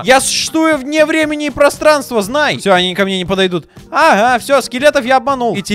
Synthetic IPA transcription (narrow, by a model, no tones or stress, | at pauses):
jasʊ̥ɕːɪ̥st̪vujʊvnʲevɾʲemʲɪnʲɪːpɾɐst̪ɾanst̪vəznajsʲoɐnʲinʲɪkɐmnʲenʲɪpəd̪ɐjd̪ut̪ | aɦafsʲoskʲɪlʲet̪əfjaɐb̚mɐnulˠɪtʲ